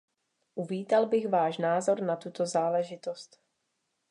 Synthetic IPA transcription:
ʔuviːt̪albɪɣvaːʃnaːzo̞ɾnat̪ut̪o̞zaːlɛʒɪt̪ost̪

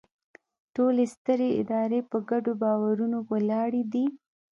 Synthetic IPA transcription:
ʈolest̪əɾeɪ̰d̪ɑɾepəɡaɖobɑwaɾunowalɑɽid̪i

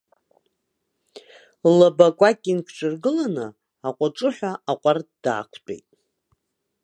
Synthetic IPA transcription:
labakʷʼakʲʼinkʷʰʈ͡ʂʷʰʼɨrɡɨlanɨ | aqʷʼaʈ͡ʂʼɨħʷᶣaʔaqʷʼard̥a̰ːkʷʰbḛjtʼ

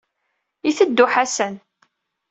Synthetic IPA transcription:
iθəd̪ːʊħæsən

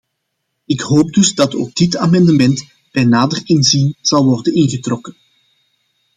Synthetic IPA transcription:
ɪkɦoːp̚dɵzdɑto̰ːɡ̚dɪtaːmɛndəmɛnt | bɛnaːdərɪnzinz̥ɑlˠʋɔrdənɪnɣətrɔkən

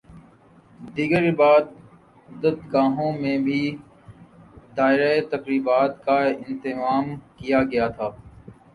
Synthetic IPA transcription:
d̪iːɡəɾbaːd̪ | ʊd̪ət̪ɡaːɦõmẽbʱi | d̪aːɪɾaet̪ɐkɾiːbaːt̪kaɪ̃nt̪ɪmaːmkijaɡɐjat̪ʰaː

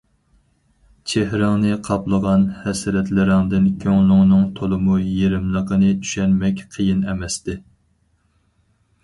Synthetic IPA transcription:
t͡ʃʰehɾɪŋnɨqʰɑplˠəʁɑnhɛsɾɛt̪lɪɾɪŋd̪ɪnkʲʰøŋlˠʊŋnɨŋt̪ʰolˠɨmujeɾɪmlˠəqənɨt̪ʰy̥ʃɛnmɛkʲqʰəjinɛmɛst̪ɪ

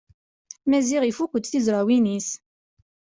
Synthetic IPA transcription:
mæziʁifukʷːəd̪θizɾˤawinis

